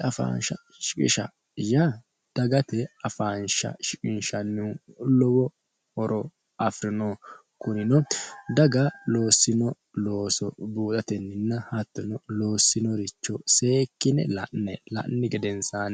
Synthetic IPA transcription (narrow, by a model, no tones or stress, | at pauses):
ɐfa̰ːnʃɐ | ʃɪkʼɪ̰ʃɐ̰ | ja | d̪̥ɐɡɐt̪ɛɐfaːnʃɐ̰ʃɪkʼɪnʃɐnːulɔwɔ | hɔɾʔɔ | ɐfɾɪnɔ | kʊnɪnɔd̪ɐɡɐloːsːɪnɔ | lo̞ːsɔbuːt̪ʼɐt̪ɛnːɪnːɐhɐt̪ːɔnɔlo̞ːsːɪnɔɾɪt͡ʃːɔse̞ːkːɪnɛ̰lɐʔnɛlɐ̰ʔnːɪɡɛd̪ɛnsaːn